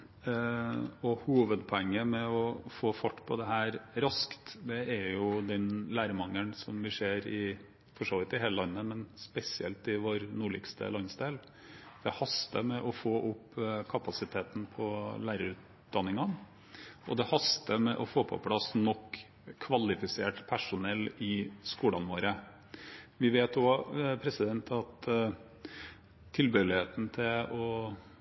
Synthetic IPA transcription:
ɔhuːʋəd̪pʰɔɛŋːəmɛɔfoːfɔʈːpʰɔd̪ɛɦæːɾɾɑskt̪d̪ɛæɾjʊd̪ɛnlæːɾmɑŋːənsɔmʋɪseːɾɪ | fɔʂoːʋɪt̪ɪɦeːləlɑnːəmɛnspɛsɪɛ̰lt̪ɪʋoːɾnuːɭɪ̰kst̪ʰə̰lɑnsd̪eːl | d̪̥ɛhɑst̪əmɛʔɔfoːʔʊpːkʰɑpɑsɪt̪ʰeːt̪n̩pʰɔlæːɾəɾʉːt̪̚ | d̪̥ɑnːɪŋɑn | ʔɔ̰d̪ɛhɑst̪əmɛʔɔfoːpʰɔ̰pʰlɑsnɔkʰː | ʋɑlɪfɪseːʈpʰæʂʊnɛlːɪskuːlɑnʋoːɾə | ʋɪʋeːt̪ɔpʰɾɛsɪd̪ɛnt̪ʰɑt̪ | t̪ʰɪlbøːlɪheːt̪n̩t̪ʰɪlɔ

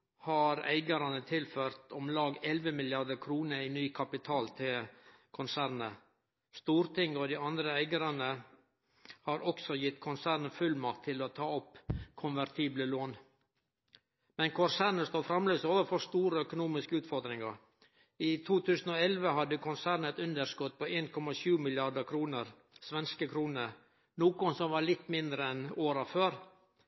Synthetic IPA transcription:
hɑɾæ̰ɪɡəɾɑnət̪ʰɪlføːɾt̪ɔmlɑːɡɛlʋəmɪlɪɑɾd̪əɾkʰɾuːnəɾinyːkʰɑpɪt̪ʰɑːlt̪ʰɪlkʰʊnsæːɾnə | st̪uːɾt̪ɪŋɔd̪ɪɑnd̪ɾəæɪɡəɾɑnə | hɑɾɔksɔjɪt̪ːkʰʊnsæːɾnəfʉlmɑkt̪ʰːɪlɔt̪ʰɑːɔpːkʰʊnʋæɾt̪ʰiːbləloːn | mɛnkʰʊnsæːɾɳəst̪oːfɾɑmløːsoːʋəfɔst̪uːɾəœkʊnuːmɪskəʉːt̪fɔɾd̪ɾɪŋɑɾ | ɪt̪ʰuːt̪ʰʉːsn̩ɔɛlʋəɦɑd̪ːəkʰʊnsæːɾɳɛt̪ʉnd̪əɾʂkɔt̪̚pʰɔeːnkʰɔmɑʂʉːmɪlɪɑɖəkʰɾuːnəɾ | sʋɛnskəkʰɾuːnəɾ | nuːkʊnsɔmʋɑːɭɪt̪ːmɪnd̪ɾəɛnoːɾɑføːɾ

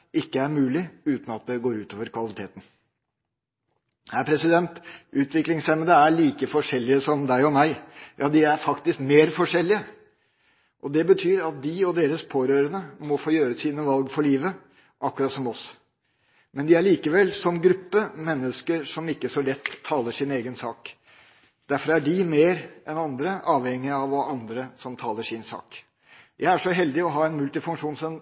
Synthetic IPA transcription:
ʔɪkːəæɾmʉːlɪʉːt̪n̩ɑt̪̚d̪ɛɡoːɾʉːt̪oːʋəɾkʰʋɑlɪt̪ʰeːt̪n̩ | hæɾpʰɾɛsɪd̪ɛnt̪ʔʉːt̪ʰʋɪklɪŋsɛməd̪əæɭiːkəfɔʂɛlːɪəsɔmd̪æɪɔmæɪjʔɑːd̪ɪæɾfɑkt̪ɪskmeːɾfɔʂɛlːɪə | ʔɔd̪ɛbət̪ʰyːɾɑt̪̚d̪ɪɔd̪eːɾəspʰoːɾøːɾənəmɔfoːjøːɾəsiːnəʋɑlɡfɔɭiːʋə | ʔɑkːʉɾɑt̪sɔmɔs | mɛnd̪ɪæɭiːkəʋɛlːsɔmɡɾʉpːəmɛnːəskəʂɔmɪkːəʂɔlɛt̪ʰːɑːləʂɪneːɡənsɑ̰ːk | d̪̥æɾfɔɾæɖɪmeːɾɛnɑnd̪ɾəʔɑːʋhɛŋːɪɑʋɔɑnd̪ɾəsɔmt̪ʰɑːləʂɪnsɑ̰ːk | jʔæɪæʂɔɦɛld̪ɪɔɦɑːɛnmʉlt̪ɪfʉŋkʂuːnsɔm

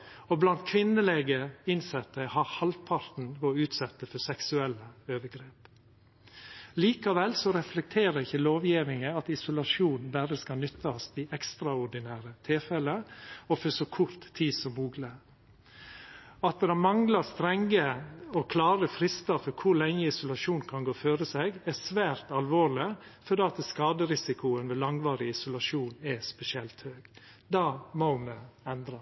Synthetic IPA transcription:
ɔblɑnt̪kʰʋɪnːəleɡəɪnsɛt̪ːəhɑɾhɑlpʰɑɾt̪n̩ʋɔʉːt̪sɛt̪ːəfɔsɛksʉɛlːəøːʋəɡɾeːp | liːkɑʋɛlsɔɾɛflɛk̚t̪ʰeːɾəɪçːəloːʋjɪʋ̪ɪŋəɑt̪ɪsʊlɑʂuːnn̩bæɾəskɑlnʏt̪ːɑst̪ɪʔɛkst̪ɾɑʊɖɪnæːɾət̪ʰɪlfɛləɔfɔʂɔkʰʊɾt̪ʰːiːd̪sɔmːuːɡlə | ɑt̪̚d̪ɛɾɑmɑŋlɑst̪ɾɛŋːəɔkʰlɑːɾəfɾɪst̪ɑfɔɾkʰʊɾlɛŋːəɪsʊlɑʂuːnkʰɑnɡoːføːɾəsɛɡæsʋæːɾt̪ɑlʋoːɭɪfɔd̪eːɑt̪əskɑːd̪əɾɪsɪkʊənʋeːlɑŋʋɑːɾɪɪsʊlɑʂuːnɛspɛsɪɛlt̪høːɡ̥ | d̪ɑːmɔmɛɛnd̪ɾɑ

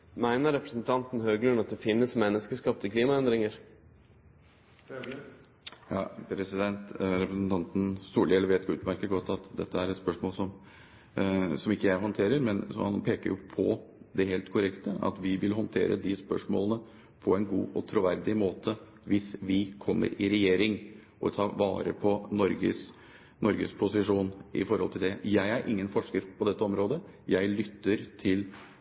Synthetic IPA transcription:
mæɪnəɾɛpɾəsnt̪ʰɑnt̪n̩høːɡlənɑt̪̚d̪ɛfɪnːəsmɛnːəskəskɑp̚t̪əkʰliːmɑɛnd̪ɾɪŋəɾ | jɑpʰɾɛsɪd̪ɛnt̪ɾɛpɾəsnt̪ʰɑnt̪n̩st̪uːɖeːləɾʋeːt̪ɡʉ̰ːt̪mæɾkəɡɔt̪ːɑt̪d̪ɛ̰t̪ʰːəæɾɛt̪spœʂmoːlsɔm | sɔmɪkːəjæɪɦɔnt̪ʰeːɾəɾmɛnshɑnpʰeːkəɾjʊpʰɔ̰d̪ɛɦeːlt̪kʰʊɾɛkt̪əʔɑ̰t̪ʋɪʋɪlɦɔnt̪ʰḛːɾʔə̰d̪ɪspœʂmo̰ːlənə | pʰɔɛnɡuːʔɔt̪ʰɾʊʋæɾd̪ɪmoːt̪ʰə | ʋɪsʋɪkʰɔmːə̰ɾɪɾɛjeːɾɪŋ | ʔɔt̪ʰɑːʋɑ̰ːɾə̰pʰɔnɔɾɡə̰s | nɔɾɡə̰spʰʊsɪʂuːnʔɪ̰fɔɾhɔlt̪ʰɪld̪ɛjæɪæɾʔɪŋːənfɔʂkəɾpʰɔd̪ɛt̪ːəɔmɾoːd̪ə | jæɪlʏt̪ːəɾt̪ʰɪl

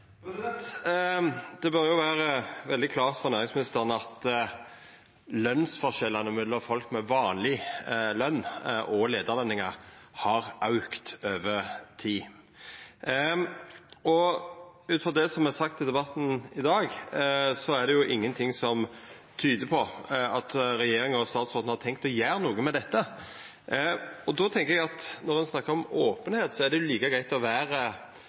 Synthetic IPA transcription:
d̪̥ɛbœɾjʊʋæːɾəʋɛld̪ɪkʰlɑːʁt̪fɔʁnæːɾɪŋsmɪnɪst̪əʁənəɑt̪ | lœnsfɔʃɛlːɑnəmʉlɔfɔlkmɛʋɑːnlɪlœnːʔɔleːd̪əʁlɑnːɪŋɑhɑɾʔɑʉkt̪øːʋət̪ʰiː | ɔ | ʉːt̪fɔd̪ɛsɔmæsɑk̚t̪ʰɪld̪ɛbɑt̪n̩ɪd̪ɑːɡsɔæɖ̪ɛjʊʔɪŋːənt̪ʰɪŋsɔmt̪ʰyːd̪əpʰɔɑt̪ɾɛjeːɾɪŋəɔst̪ɑːt̪sʁɔːt̪n̩hɑt̪ʰɛŋk̚t̪ɔjæːɾənuːɡəmɛd̪ɛt̪ːə | ɔd̪ɔt̪ʰɛŋkəɾɛɡɑt̪nɔʁɛnsnɑkːəɾɔmoːpənheːt̪sɔæɖ̪ɛjʊliːkəɡɾæɪt̪ɔʋæːɾə

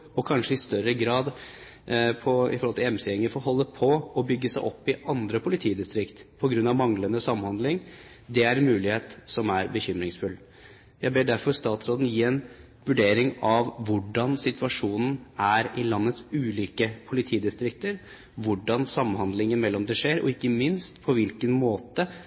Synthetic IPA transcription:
ɔkʰɑnʂəɪst̪œɾəɡɾɑːd̪ | pʰɔɪ̰fɔɾhɔlt̪ɪɛmsɛɛŋəfɔɾɦɔlːəpʰɔɔbʏɡːəsæɪʔɔpːɪʔɑnd̪ɾəpʰʊlɪt̪ʰiːd̪ɪst̪ɾɪkt̪pʰɔɡɾʉnːɑʋmɑŋlənəsɑmːnhɑnd̪lɪŋ | d̪ɛæɾɛnmʉːlɪheːt̪sɔmæɾbəçʏmɾɪŋsfʉl | jæɪbeːɖæɾfɔɾst̪ɑːt̪sɾoːd̪ən̩jiːɛn | ʋʉɖeːɾɪŋɑʋːʊɖɑnsɪt̪ʉɑʂuːnn̩æɾɪlɑnːət̪sʉːliːkəpʰʊlɪt̪ʰiːd̪ɪst̪ɾɪkt̪əɾ | ʋʊɖɑnsɑmːhɑnd̪lɪŋənmɛlːɔmd̪ɛʂeːɾɔ̰ɪkːəmɪnst̪pʰɔʋɪlkənmoːt̪ə

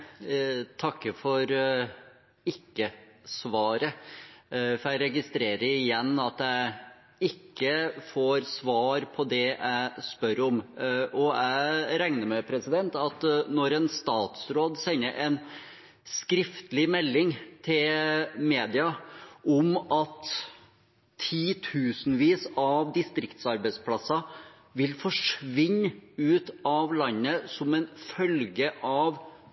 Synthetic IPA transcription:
t̪ʰɑkːəfɔɾ | ɪkːəsʋɑːɾə | fɔɾæɪɾɛɡɪst̪ɾeːɾəɾɪjɛnːɑt̪æɪ | ɪkːəfoːɾsʋɑːɾpʰɔd̪ɛʔæɪspœɾɔmʔɔæɪɾæŋnəɾmɛpʰɾɛsɪd̪ɛnt̪ɑt̪nɔɾɛnst̪ɑːt̪sɾoːd̪sɛnːəʔɛɪn | skɾɪft̪lɪmɛlːɪŋt̪ʰɪlmeːd̪ɪɑʔɔmɑt̪ | iːt̪ʰʉːsnʋiːsɑʋd̪ɪst̪ɾɪkt̪sɑɾbæɪspʰlɑsɑ | ʋɪlfɔʂʋɪɲːʉːt̪ɑʋlɑnːəsɔmɛnfœlɡəʔɑʋ

